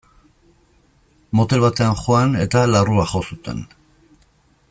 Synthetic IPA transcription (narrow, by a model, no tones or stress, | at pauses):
mo̞t̪e̞lβat̪e̞anxo̞ane̞t̪alaruaxo̞sut̪e̞̰n